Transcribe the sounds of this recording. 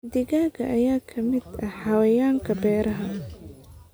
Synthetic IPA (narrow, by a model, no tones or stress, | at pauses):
d̪ɪɣaːɣɐʔɐjaːkʰɐmɪd̪ɐħɑwɐjaːŋkʰɐbɛːɾɐɦɐ